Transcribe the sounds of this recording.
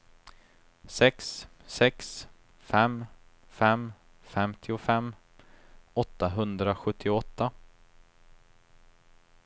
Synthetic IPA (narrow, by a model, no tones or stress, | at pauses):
sɛkssɛks | fɛm | fɛm | fɛmt̪ʰɪʊfɛmː | ɔt̪ːaɦɵnd̪ɾaɧɵt̪ʰːɪɔt̪ʰːa